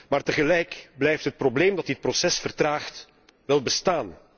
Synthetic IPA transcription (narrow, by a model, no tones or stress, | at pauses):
maːrtəɣəlɛjkblɛjftɦət̚probleːmdɑtɪt̚prosɛsfərtraːxt | ʋɛlˠbəstaːn